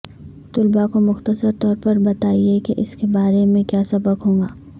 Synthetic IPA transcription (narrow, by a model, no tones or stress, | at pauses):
t̪ʊlbakomʊxt̪əsəɾt̪ɔːɾpɐɾbɐt̪aːiekeʔɪskebaːɾemẽkjaːsɐbəkɦõːɡaː